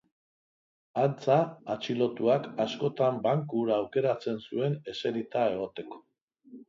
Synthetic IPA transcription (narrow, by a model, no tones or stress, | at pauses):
ant͡saːt͡ʃilo̞t̪uakasko̞t̪ambaŋkuɾaːwke̞ɾat͡se̞nsue̞ne̞se̞ɾit̪ae̞ɣ̞o̞t̪e̞ko̞̥